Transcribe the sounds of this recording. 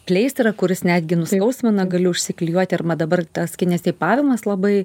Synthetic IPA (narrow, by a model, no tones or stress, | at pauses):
pʲlʲɛɪsʲt̪rɐkʊɾʲɪsnʲæːd̪ʲɡʲɪnʊskɐʊsʲmʲɛnɐɡɐlʲʊʊʃʲsʲɪklʲɪjuɔt̪ʲɪɐrmɐd̪ɐbɐrt̪ɐskʲɪnʲɛst̪ʲɛɪpɑːʋʲɪmɐslˠɐbɐɪ